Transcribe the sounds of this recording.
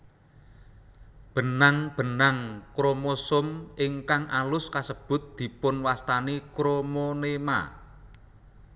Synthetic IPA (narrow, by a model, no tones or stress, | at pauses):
b̥ə̤naŋb̥ə̤naŋkɾomosʊmʔɪŋkaŋʔalʊskasəb̥ʊ̤t̪̚d̪̥i̤pʊnwast̪anikɾomonema̰